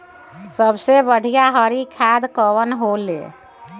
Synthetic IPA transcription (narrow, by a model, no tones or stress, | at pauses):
səbsebəɽ̤ʱijaɦəɾikʰad̪kəwənɦolḛ